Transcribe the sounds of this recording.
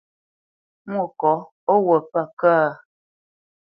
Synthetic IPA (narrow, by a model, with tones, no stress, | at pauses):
mwɔ˦˨kɔ˨˦ | ɔ˦wə˨pa˦˨kaː˦˨